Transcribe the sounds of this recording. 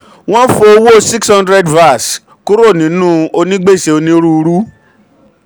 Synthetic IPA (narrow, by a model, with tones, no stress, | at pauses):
w̃ɔ̃˦fo˧o˧wo˦˨si˦kshã˦ndɾɛ˦dva˦˨s | ku˦ɾo˦˨nĩ˨˦nũ˦o˧nĩ˦ɡ͡be˦˨se˨˦o˧nĩ˧˦ɾu˦˧ɾu˦